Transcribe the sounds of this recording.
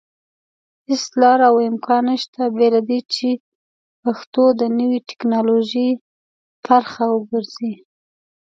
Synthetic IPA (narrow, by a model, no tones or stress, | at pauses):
ɪslɑɾawɪmkʰɑnəʃt̪abelad̪it͡ʃe | paxt̪od̪ənəwiʈɪ̥knɑloʒi | pʰaɾxawəɡəɾz̥i